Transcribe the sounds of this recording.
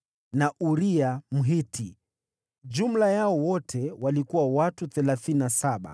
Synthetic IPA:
naʔuɾiam̩ɦiti | d͡ʒum̩lajaɔwɔtʰɛwalikuwawatuθɛlaθininasaɓa̰

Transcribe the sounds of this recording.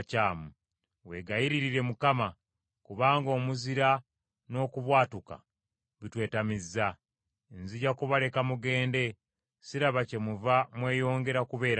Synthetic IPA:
caːmu | we̞ɡajiɾiɾiɾe̞mukama | kuβaːŋɡo̞ːmuziɾa | no̞ːkuβwaːtuka̰ | βitwe̞ːtamizːa | enziɟakuβale̞kamuɡe̞ːnde̞ | siɾaβace̞muvamwe̞ːjo̞ːŋɡe̞ɾakuβe̞ːɾa

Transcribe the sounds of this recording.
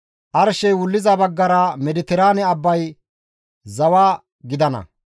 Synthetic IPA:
ʔɐɾʃɛjwʊlːɪzɐbɐɡːɐɾɐmɛd̪ɪt̪ɪɾaːnɛɐbːɐj | zɐwaː | ɡɪd̪ɐnɐ̰

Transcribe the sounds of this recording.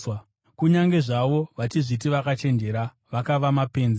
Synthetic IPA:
kuɲaŋɡe̞ʐaʋo̞ʋat͡ʃiʐit̬iʋakat͡ʃe̞nd͡ʒe̞ɾa | ʋakaʋamape̞ːnze

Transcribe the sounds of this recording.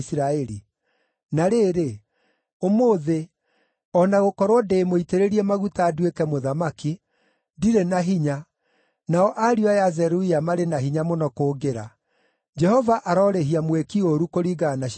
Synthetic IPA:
sɾaɛɾi | naɾeːɾe | omoːðe | ɔnaɣokɔɾwɔdeːmoiteɾeɾiɛmaɣutaːdwekɛmoðamaki | diɾenaɦiɲa | naɔʔaɾiajazɛɾuiamaɾenaɦiɲamonɔkoːɡeɾa | d͡ʒɛhɔvaʔaɾɔɾeɦiamwekioɾukoɾiɣanaʃ

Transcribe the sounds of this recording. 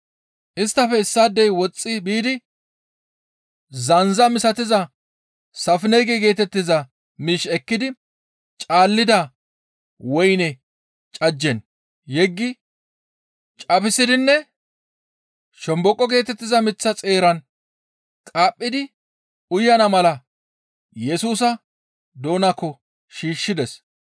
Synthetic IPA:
ʔɪst̪ːɐfɛɪsːaːd̪ːɛjwɔt͡sʼːɪbiːd̪ɪ | zɐnzɐmɪsɐt̪ɪzɐ | sɐfɪnɛjɡɛɡe̞ːt̪ɛt̪ːɪzɐ | miːʃɛkːɪd̪ɪ | t͡ʃʼaːlːɪd̪ɐ | wɔjnɛ | t͡ʃʼɐd͡ʒːɛn | jɛɡːɪ | t͡ʃʼɐbɪsɪd̪ɪnːɛ | ʃɔmbɔkʼːɔɡe̞ːt̪ɛt̪ːɪzɐmɪt͡sːɐt͡sʼe̞ːɾɐn | kʼaːpʼːɪd̪ɪ | ʊjːɐnɐmɐlɐ | jɛsuːsɐ | d̪o̞ːnɐkːɔ | ʃiːʃːɪd̪ɛs

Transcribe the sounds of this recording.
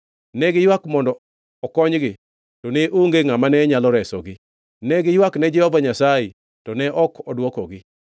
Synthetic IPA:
nɛɡɪjwakmɔndɔ | ɔkɔɲɡɪ | tɔnɛʔuŋɡeŋamanɛɲalɔɾɛsɔɡɪ | nɛɡɪjwaknɛd͡ʒɛhɔbaɲasae | tɔnɛʔɔkʰɔdwɔkɔɡɪ

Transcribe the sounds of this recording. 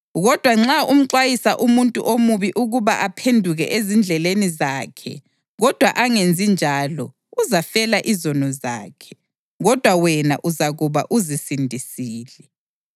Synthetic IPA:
ɣɔd̥ʱwaŋ͡ǁaum̩ǀwajisaʔumuntʼṵʔomuβiʔuɣuβaʔapʰendʱuɣɛ̰ʔezind͡ɮʱɛlenizaːkʰɛ̰ | ɣɔd̥ʱwaʔaŋend͡zʱind͡ʒʱalɔ | uzafɛlaʔizɔnɔza̰ːkʰɛ̥ | ɣɔd̥ʱwawɛnaʔuzaɣuβa̰ʔuzisindʱisiːlɛ

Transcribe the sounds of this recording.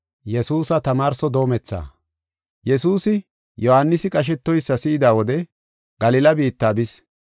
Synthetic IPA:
jɛsuːsɐt̪ɐmaːɾsɔd̪o̞ːmɛt͡sːa̰ː | jɛsuːsɪ | jɔhanːɪsɪkʼɐʃ̬ɛt̪ːɔjsːɐsɪʔɪd̪aːwɔd̪ɛ | ɡ̥ɐlɪːlɐbiːt̪ːaːbɪs

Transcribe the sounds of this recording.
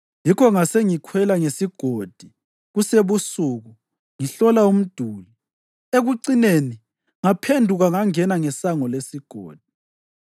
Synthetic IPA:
jikʰɔŋaseŋikʰwɛlaŋesiɡ̥ʱod̥ʱi | ɣuseβusuɣu | ŋiɬɔlaum̩d̥ʱuːli | eɣuǀineni | ŋapʰendʱuɣaŋaŋɛnaŋɛsaŋɔlesiɡ̥ʱo̰ːd̥ʱi̥

